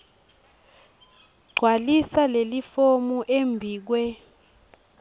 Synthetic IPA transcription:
ɡ͡ǀʱwalisalelifomuʔembʱiːk̬wɛ

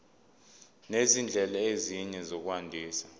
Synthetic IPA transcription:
nezind͡ɮʱɛlaeziɲɛzok̬uwandʱiːsa

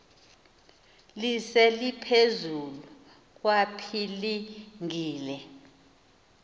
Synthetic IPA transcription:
lisɛlipʰezulu | k̬ʼwapʰiliŋiːlɛ

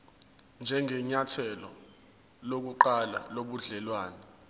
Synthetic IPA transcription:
nd͡ʒʱɛŋɛɲatʰɛlɔ̰ | lok̬uǃala̰loɓuɮɛlwaːnɛ

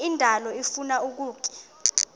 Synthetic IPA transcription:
indʱalɔifunauk̬uːkʼɛ̥

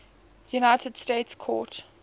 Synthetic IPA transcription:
junaɪtʰəd̥stetskʰɔ̰ːt

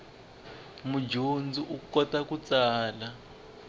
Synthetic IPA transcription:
mud͡ʒʱond͡ziʔukɔtakut͡saːla

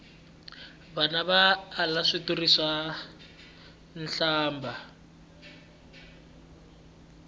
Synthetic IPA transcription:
βanaβaːlaʂiturisa | n̩ɬaːmba

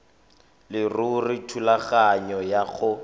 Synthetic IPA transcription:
lɪrurɪtʰulaɣaɲɔjaɣʊ

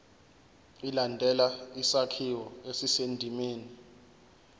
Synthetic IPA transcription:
ilandʱɛlaisakʰiwɔesisendʱimeːni

